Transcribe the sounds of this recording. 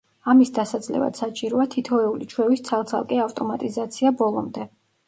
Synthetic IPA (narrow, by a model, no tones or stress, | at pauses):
amisd̪asad̪zlɛ̰va̰d̪̥sat͡ʃʼiɾuat̪ʰit̪ʰɔɛulit͡ʃʰwɛvist̪sʰalˠt̪sʰa̰lˠkʼɛaft̪ʼɔmat̪ʼizat̪sʰiabɔlˠɔ̰md̪ɛ